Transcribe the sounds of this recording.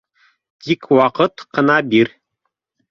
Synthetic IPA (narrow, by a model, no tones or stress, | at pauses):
t̪ikwɑqɤt̪qɤ̆nɑbiɾ